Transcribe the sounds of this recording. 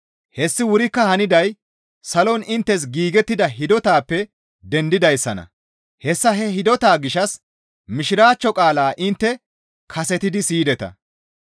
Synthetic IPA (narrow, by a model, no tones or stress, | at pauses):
hɛsːɪwʊɾɪkːɐhɐnɪd̪ɐj | sɐlɔnɪnt̪ːɛs̬ɡiːɡɛt̪ːɪd̪ɐɦɪd̪ɔt̪aːpːɛ | d̪ɛnd̪ɪd̪ɐjsːɐnɐ̰ | hɛsːɐɦɛɦɪd̪ɔt̪aːɡɪʃɐs | mɪʃɪɾaːt͡ʃːɔkʼaːlaːʔɪnt̪ːɛ | kʰɐsɛt̪ɪd̪ɪsiːd̪ɛt̪ɐ̰